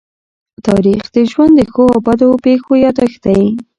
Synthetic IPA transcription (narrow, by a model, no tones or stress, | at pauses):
t̪ɑɾixd̪̥əʒwand̪əxoabad̪opexojɑd̪axt̪aji